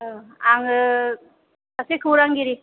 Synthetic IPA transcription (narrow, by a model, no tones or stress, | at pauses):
aŋ | asekʰɯwɾaŋɡiɾi